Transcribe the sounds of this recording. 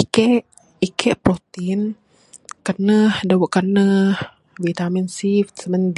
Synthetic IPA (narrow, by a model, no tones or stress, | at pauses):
kɛʔ | ikʰɛʔpɾot̪in | kənəhdəwəʔkanəh | vit̪aminsift̪̚səmənd̪